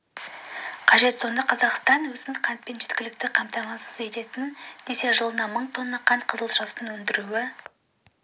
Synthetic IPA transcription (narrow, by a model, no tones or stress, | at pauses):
qʰɑʒe̞t̪so̞nd̪ɑqʰɑzɑqst̪ɑnwɵzɪnqʰɑnt̪̚pe̞nʒet̪kʲɪlɪk̚t̪ɪqʰɑmt̪ɑmɑsəze̞t̪e̞t̪ɪnd̪̥e̞se̞ʒəlˠənɑməɴt̪ʰo̞nːɑqʰɑnt̪̚qʰəzəlˠʒɑsənwɵnd̪ɪɾuwɪ